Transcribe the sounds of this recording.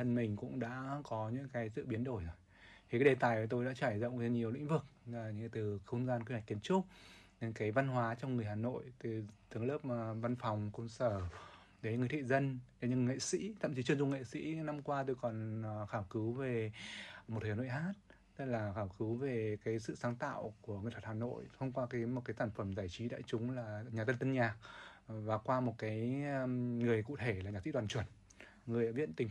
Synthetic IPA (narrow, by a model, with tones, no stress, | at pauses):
ə˧nmï˨˩ŋ̟kʊ̰˧˥ŋ͡mɗa̰ː˧˥kɔ˨˦ɲɨ̰˧˥ŋkaː˨˦jzɨ̰˧˨ɓi˨˦ənɗo˧˩jzo˨˩j | t̪ʰi˨kaː˨˦jɗe˨˩t̪aː˨˩ja˨˩t̪o˧jɗa̰ː˧˥t͡ɕaː˧˩jzə̰˧˨wŋza˧ɲi˨˩əwlḭ˧˥ŋ̟vɨ˨˩k̚ːɲɨ̰˧˥˧t̪ɨ˨˩xə˧wŋ͡mzaː˧nki˧ha˨˩k̚kːi˨˩ə˦nt͡ɕʊ˦˥k͡p̚ne˧˦nkaː˨˦jva˧nɦwaː˨˦t͡ɕɔ˧wŋ͡mŋɨ˨˩əjhaː˨˩no̰˧˨jt̪ɨ˨˩t̪ɨ˨˦ə˦ŋləː˦˥p̚va˧nfɔ˨˩wŋ͡mkə˧wŋ͡msəː˧˩ | ɗe˨˦ŋɨ˨˩ə˩t̪ʰḭ˧˨zə˧nɗe˨˦ɲɨ˧ŋŋḛ˧˨sḭ˧˥t̪ʰə̰˧˨mt͡ɕi˨˦t͡ɕɨ˧ənzʊ˧ŋḛ˧˨sḭ˧˥na˧mkwaː˧t̪o˧jkɔ˨˩nxaː˧˩wkɨ˨˦wve˨˩m˨˩t̚hʰno̰˧˨jhaː˦˥t̚ | t̪ə˦˥k̚laː˨˩xaː˧˩wkɨ˨˦wve˨˩kaː˨˦jsɨ̰˧˨saː˨˦ŋt̪a̰ː˧˨wku˧˩əŋɨ˨˩t̚ʰhaː˨˩no̰˧˨jt̪ʰə˧wŋ͡mkwaː˧kaː˨˦jmo˨˩t̚kaː˨˦saː˧˩nfə˧˩mzaː˧˩jt͡ɕi˨˦ɗa̰ː˧˨jt͡ɕʊ˨˦ŋ͡mlaː˨˩ɲaː˨˩t̪ə˧nt̪ə˧nɲaː˨˩k̚vaː˨˩kwaː˧mo˨˩t̚kaː˨˦j | ŋɨ˨˩əjkṵ˧˨t̪ʰe˧˩la˨˩ɲa˨˩sḭ˧˥ɗwaː˨˩nt͡ɕwə˧˩ən | ŋɨ˨˩əjɗaː˧˥vḭ˧˥ə˨nt̪ï˨˩